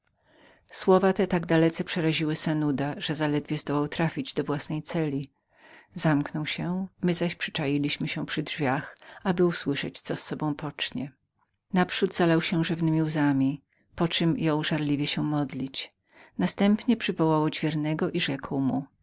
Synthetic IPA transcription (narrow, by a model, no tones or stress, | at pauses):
swɔvat̪ɛt̪aɡd̪alɛt̪sɛpʂɛɾaʑiwɘsɛnud̪aʐɛzalɛd̪vʲjɛzd̪ɔwawt̪ɾafʲid͡ʑd̪ɔvwasnɛjt̪sɛlʲi | zamknɔwɕɛmɘzaɕpʂɘ̥t͡ʂajilʲiɕmɘɕɛpʂɘdʐvʲjaxabɘuswɘʂɛt͡ɕt̪sɔsːɔbɔ̃w̃pɔt͡ʂɲɛ | napʂud̪zalawɕɛʐɛvnɘmʲiuzamʲi | pɔt͡ʂɘmjɔ̃w̃ʐaɾlʲivʲjɛɕɛmɔd̪lʲit͡ɕ | nast̪ɛmpɲɛpʂɘvɔwawɔd͡ʑvʲjɛɾnɛɡɔʔiʐɛkwmu